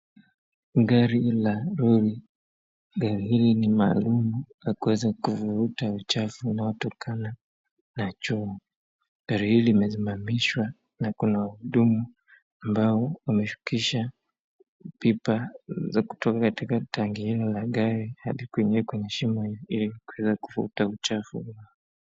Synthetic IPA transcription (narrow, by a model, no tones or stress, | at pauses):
ɡaɾilaɾuɾi | ɡaɾihilinimaːlumulakuwɛzakuvuɾutaut͡ʃafunaɔtɔkʰana | nat͡ʃuu | ɡ̥aɾihiliimɛs̬imamiʃwa | nakunahuɗumu | ambaɔumɛʃu̥kiʃa | pipazaku̥tɔkakatikataŋɡihilalaɠaɾiha̰ɗikuɛɲɛkwɛɲɛʃimahiilikuwɛzakuvuutaut͡ʃafṵa